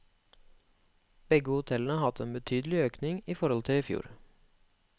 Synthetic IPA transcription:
b̥ɛɡəhʊt̪ʰɛln̩əhɑt̪əeːnbət̪ʰyːd̪l̩ɪøːknɪŋiːfɔɾɔlt̪ʰɪɪfjṵːɾ

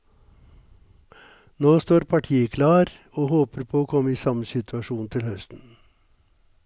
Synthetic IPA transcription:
noːst̪oːɾpʰɑʈʰiːəkʰlɑːɾ | oːhoːpəɾpʰoːoːkʰɔmːəiːsɑməsɪt̪ʰʉɑʃuːnt̪ʰɪlhœst̪n̩

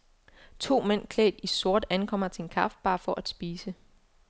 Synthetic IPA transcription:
t͡sʰo̝̰ːmen̰kʰlɛ̰ːd̥iso̝ɐ̰d̥ænkʰɒ̽m̰ɐt͡sʰe̝e̝nkʰɑ̈fd̥̚b̥ɑ̈ːfɒ̽ʔæd̥sb̥iːsə

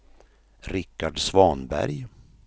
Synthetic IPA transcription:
ɾɪkːaɖsvɑːnbæ̰ɾj

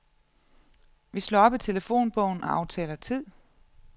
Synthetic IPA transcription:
ʋislɔɔːɒ̽b̥it͡sʰe̝ləfo̝̰ːnb̥ɔʊn̩ɒɑ̈ʊt͡sʰɛ̰ːlɐt͡sʰið̰ˠ

